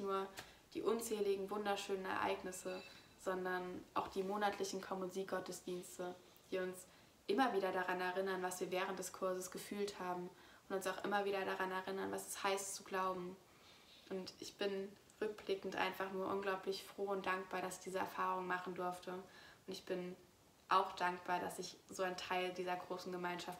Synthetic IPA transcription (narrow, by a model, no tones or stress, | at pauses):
nuːɐ | d̥ḭːʔʊnt͡sɛːlɪɡŋ̩vʊndɐʃøːnənɛ̰ɐʔa̰ɪɡnɪsə | z̥ɔndɐnʔaʊxd̥iːmoːnatʰlɪçn̩kʰɔmonziːɡ̥ɔtəsd̥iːnstə | d̥iːʊns | ʔɪmɐviːɾɐɾaʁanɛɐʁɪnɐnvasv̥iːɐvɛːʁ̞ənt̚d̥ɛskʰʊɐzəsɡ̥əfyːlthaːbm̩ | ʔʊntʊnsaʊxʔɪ̰mɐviːɾɐɾaʁanɛɐʁɪnɐnvasɛ̥shaɪst͡suɡlaʊbm̩ | ʔʊntʔɪçb̥ɪn | ʁʏk̚b̥lɪkŋ̩tʔa̰ɪnfaχnuːɐʔʊnɡlaʊplɪçfʁ̥oːʊntd̥aŋk̚b̥aːɐɾasɪ̥çd̥iːzəɛ̰ɐfaːʁʊŋmaχn̩dʊɐftʰəʊntɪçb̥ɪn | ʔaʊxd̥aŋkb̥aːɐɾasɪçz̥oːaɪntʰaɪldiːzɐɡʁoːsn̩ɡəmaɪnʃaft